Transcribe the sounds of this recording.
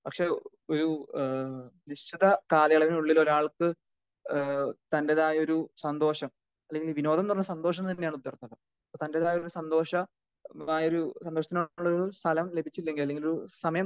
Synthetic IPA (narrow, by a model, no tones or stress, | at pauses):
pɐkʂe̞ː | oɾu | niɕt͡ɕiðɐkaːlɐjɐɭɐʋinuɭːilo̞ɾaːɭkɨ | t̪ɐnde̞ðaːjo̞ɾusɐnd̪o̞ːʂɐm | ɐlːe̞ŋɡilʋino̞ːd̪ʱɐmt̪urɐɲːɐsɐnd̪o̞ːʂ̬ɐmt̪ɐnːejaːɳud̪jɐrt̪ːɐlːɐ | ɐpːoːt̪ɐnde̞ðaːjo̞ɾusɐnd̪o̞ːʂɐ | aːjo̞ɾusɐnd̪oʂɐt̪ːinoɭːɐoust̪ʰɐlɐmle̞bʱit͡ɕːlːe̞ŋɡilɐlːe̞ŋɡiloɾusɐmɐjɐm